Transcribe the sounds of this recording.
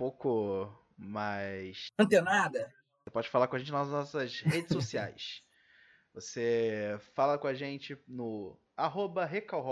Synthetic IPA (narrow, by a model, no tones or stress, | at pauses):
powkʊ | majsɐ̃nt̪enad̪ɐ | sepɔd͡ʒɪfalaɾkõaʒẽt͡ʃɪnnɔsɐshed͡ʒɪsosia̰js | vosefalɐkõaʒẽnt͡ʃɪnʊ | aɦobɐɦekawɦ